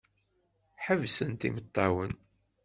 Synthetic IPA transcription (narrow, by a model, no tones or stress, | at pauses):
ħəvsənt̪ḭmət̪ˤːɑwən